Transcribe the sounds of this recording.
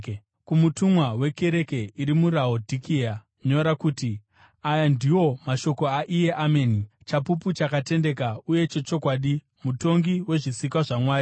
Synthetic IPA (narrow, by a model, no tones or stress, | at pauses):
kumutumwawe̞ke̞ɾe̞ke̞iɾimuɾaodʱikia | ɲo̞ɾakuːti | ajandiwo̞maʃo̞ko̞aʔije̞ʔame̞nit͡ʃapuput͡ʃakate̞nde̞kauje̞t͡ʃe̞t͡ʃo̞kwaːɗi | muto̞ŋɡiwe̞ʐisikwaʐamwaːɾi